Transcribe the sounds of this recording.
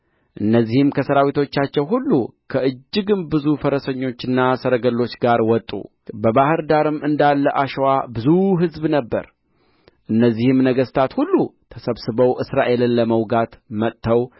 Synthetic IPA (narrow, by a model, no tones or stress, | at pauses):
ʔɨnːəzːihɨmkʰəsəɾawit̪ʰo̞t͡ʃːat͡ʃːɛwɦulːukʰəʔɨd͡ʒːɪɡɨmbɨzufəɾəsəɲːo̞t͡ʃːɨnːasəɾəɡəlːo̞t͡ʃːɡaɾwɔt̪ʼːṵ | bəbahɨɾd̪aɾɨmɨnd̪alːəʔaʃwabɨzuɦɨzbnəbːə̰ɾ | ʔɨnːəzːihɨmnəɡəst̪ʰat̪hulːut̪ʰəsəβsɨbəwʔɨsɾaʔe̞lɨnləməwɡat̪mət̪ːəw